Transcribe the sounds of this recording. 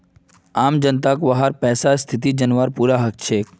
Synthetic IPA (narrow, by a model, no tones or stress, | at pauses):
aːmd͡ʒənt̪akʋɐɦaɾpɛːsast̪ʰɪt̪̬id͡ʒənʋaɾpuːɾaɦɐk̚t͡ʃʰeːk